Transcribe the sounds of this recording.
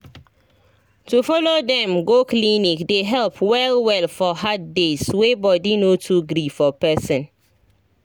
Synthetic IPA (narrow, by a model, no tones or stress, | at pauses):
tufɔlodɛ̃mɡoklinikdeɦɛlpʰwɛlwɛlfɔhat̚deswebɔdinotʰuɡɾifɔpɛsɔ̃n